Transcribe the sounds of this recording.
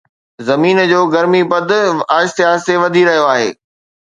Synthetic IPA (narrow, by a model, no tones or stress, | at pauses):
zɐmiːnd͡ʑoːɡɐɾmibɐd̪ʱaːɪʃt̪ɪɦaːzt̪eʋɐd̪ʱiɾɐɦijoaːɦḛː